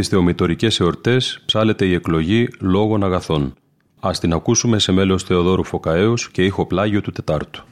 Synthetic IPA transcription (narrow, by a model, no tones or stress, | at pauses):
isθe̞o̞mit̪o̞ɾice̞seo̞ɾt̪e̞spsɐle̞t̪e̞ie̞klo̞ʝilo̞ɣo̞nɐɣɐθo̞n | ɐst̪inɐkusume̞se̞me̞lo̞sθe̞o̞ðo̞ɾufo̞kɐeusce̞ixo̞plɐʝiot̪ut̪e̞t̪ɐɾt̪u̥